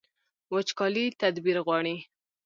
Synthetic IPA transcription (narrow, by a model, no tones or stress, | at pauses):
wət͡ʃkɑlit̪ad̪biɾɣwɑɽi